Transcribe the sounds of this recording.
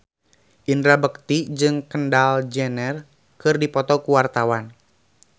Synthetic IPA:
ʔinɾabəkt̪id͡ʒɨŋkəndald͡ʒɛnɛr | kɨrdipɔt̪ɔkuwart̪awan

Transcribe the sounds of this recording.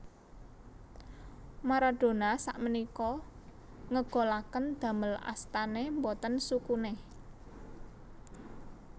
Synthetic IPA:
maɾaɖ̪̥o̤nasaʔmənikɔ | ŋəɡ̥o̤lakənd̪̥ä̤məla̰st̪anembot̪ənsukune

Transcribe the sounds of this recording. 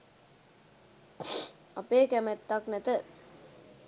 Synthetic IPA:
ɐpeːkɛmɛt̪ːaknɛt̪ə

